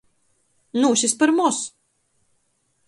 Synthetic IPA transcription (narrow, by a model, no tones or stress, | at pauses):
nuʃispɨɾmɔs